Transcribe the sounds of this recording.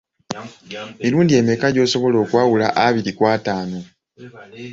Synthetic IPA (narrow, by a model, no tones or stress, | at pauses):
miluːndie̞me̞kaɟo̞ːso̞βo̞lo̞ːkwaːwulaʔaβiɾikwaːtaːno̞